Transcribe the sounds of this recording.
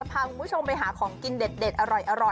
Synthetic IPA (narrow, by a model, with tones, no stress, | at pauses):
a˧pʰaː˧kʰu˧mbt͡ɕʰo˧mpa˧jɦaː˩˦kʰɔː˩˦ŋki˧nde˨˩t̪̚de˨˩t̪ʔa˧ɾɔ˨˩jʔa˧ɾɔ˨˩